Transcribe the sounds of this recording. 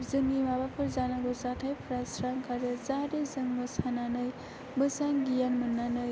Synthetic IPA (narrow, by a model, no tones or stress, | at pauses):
zɯŋɡimabapʰɯɾzanaɡosatʰajpʰɾasɾaŋkaɾjɯzaɾezɯŋmɯsananɯj | mɯsaŋɡijanmɯnːanɯj